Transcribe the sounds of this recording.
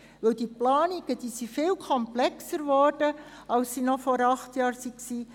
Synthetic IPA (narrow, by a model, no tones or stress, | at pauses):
ʋɵwd̥iplɑːniɡ̥əd̥iːsifɪlkʰɔmplɛksəɾvɔrd̥ə | ɑlsːinɔfɔɾɑχtjɑːɾsiksiː